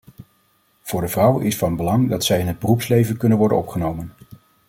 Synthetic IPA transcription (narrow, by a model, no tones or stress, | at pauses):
v̥ʊːɹdəvrʌwəʔɪsfɑnbəlɑŋdɑtsɛjɪnɦəd̚bərupslejvənkɵnənʋɔɹdənɔpχənowmən